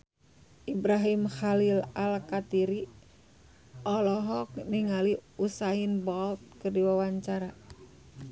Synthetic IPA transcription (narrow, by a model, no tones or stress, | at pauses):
ʔibɾaɦimxalilalkat̪iɾi | ʔɔlɔɦɔk̚niŋaliusainbɔlt̪̚kərdiwawaɲt͡ʃaɾa